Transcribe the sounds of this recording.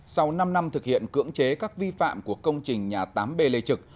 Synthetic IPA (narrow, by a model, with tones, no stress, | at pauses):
sa˧wna˧mna˧mt̪ʰɨ˨˩k̚hḭ˧˨ənkɨ̰˧˥əŋt͡ɕe˨˦kaː˦˥k̚vi˧fa̰ː˧˨mku˧˩əkə˧wŋ͡mt͡ɕï˨˩ŋ̟ɲaː˨˩t̪aː˨˦mɓe˧˩le˧t͡ɕɨ˨˩k̚